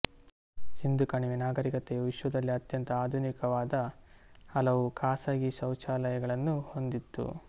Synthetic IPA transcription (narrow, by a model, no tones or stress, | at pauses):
sind̪ʱukɐɳiʋinaːɡɐɾikɐt̪ɛjɐʋiʃʋɐd̪ɐlːiɐt̪jɐnt̪ɐaːd̪ʱunikɐʋaːd̪ɐ | ɐlɐʋukʰaːsaːɡisɐwt͡ʃaːlɐjɐɡɐɭɐnːuho̞nd̪it̪ːṵ